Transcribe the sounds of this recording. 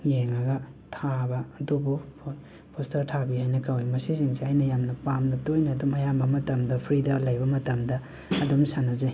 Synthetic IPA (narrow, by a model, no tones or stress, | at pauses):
jeŋaɡɐtʰabɐːdubupʰ | pʰostɐɾtʰabihajnɐkawimɐsisiŋseajnɐjamnɐpamnɐtojnɐdumɐjambɐmɐtɐmdɐpʰɾidɐlɐjbɐmɐtɐmdɐ | ɐdumsanɐze